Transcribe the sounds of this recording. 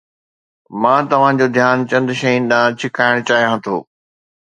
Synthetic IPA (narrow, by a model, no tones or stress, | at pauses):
mãːt̪ɐʋ̤ãd͡ʑoːd̪ʱjaːnt͡ɕɐ̃nd̪ʃɐĩnɪɗ̪ãːt͡ɕʰɪkaːɪɽ̃t͡ɕaːɦijãt̪ʰo̰ː